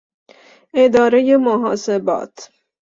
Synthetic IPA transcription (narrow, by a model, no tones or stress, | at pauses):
ed̪ɒːɾejemoɦɒːsebɒ̰ːt̪ʰ